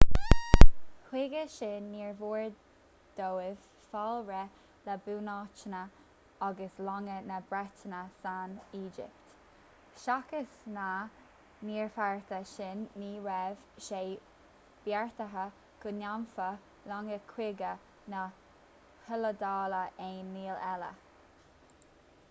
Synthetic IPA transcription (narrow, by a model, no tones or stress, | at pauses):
hwɪɡəʃɪnːiːɹvuːɹ | d̪̥owɪv̥ | falɹɛ | ləbuːnɑːt͡ʃənə | aɡəslɔŋənəbɾɛtənəsaniːd͡ʒɪ̰p̚t̪ | ʃakəsna | niːɹfaɹt̪əʃɪnːiːɹɛv̥ | ʃeː | b̥jɛɹt̪əɦə | ɡ̥ʊnamfə | lɔŋəkʰwɪɡə | nə | hɪləd̪ɑːləʔeːnːiːlɛlə̰